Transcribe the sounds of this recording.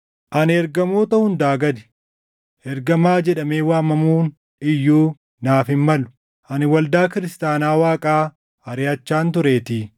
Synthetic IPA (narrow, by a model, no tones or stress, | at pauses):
ʔɐnɛɾɡɐmo̞ːt̪ɐhʊnd̪aːɡɐd̪ɪ̥ | ɛɾɡɐmaːd͡ʒɛᶑɐmeːwaːmɐmuːn | ɪjːuː | naːfɪmːɐlʊ̥ | ʔɐnɪwɐld̪aːkɪɾɪst̪aːnaːwaːkʼaː | ɐɾɪɐt͡ʃːaːnt̪̬ʊɾe̞ːt̪ɪː